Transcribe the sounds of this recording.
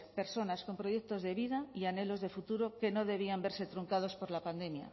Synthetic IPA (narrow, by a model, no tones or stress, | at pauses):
pe̞ɾso̞nasko̞mpɾo̞ʝe̞k̚t̪o̞zðe̞β̞ið̞aiane̞lo̞zðe̞fut̪uɾo̞ke̞no̞ðe̞β̞iambe̞ɾse̞t̪ɾuŋkað̞o̞spo̞ɾlapand̪e̞mja̰